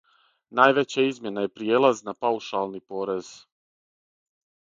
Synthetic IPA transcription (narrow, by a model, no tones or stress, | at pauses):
naːjʋe̞t͡ɕaizmje̞najepɾijeːlˠaznapauʃalˠnipo̞ːɾe̞z̥